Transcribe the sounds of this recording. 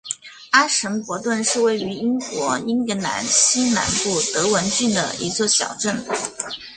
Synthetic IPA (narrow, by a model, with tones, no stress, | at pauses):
a˥ʂə˧˥npwɔ˧˥t̪wə˥˧nʂɻ̩˥˧we˥˩ɪy˧˥i˥ŋkwɔ˧˥i˥nkɤ˧˥na̰˧˥nɕi˥nna̰˧˥npu˥˩t̪ɤ˧˥wə˧˥nt͡ɕy˥˩nd̪ə̰˩ḭ˧˥t͡swɔ˥˩ɕjɑ̰˨˩ʊʈ͡ʂə˥˩n